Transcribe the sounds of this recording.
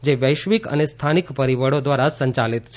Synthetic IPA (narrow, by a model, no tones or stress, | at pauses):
d͡ʒeʋəjʃʋikə̰nest̪ʰanikpəɾiʋəɽod̪ʋaɾasəɲt͡ʃalit̪t͡ʃʰ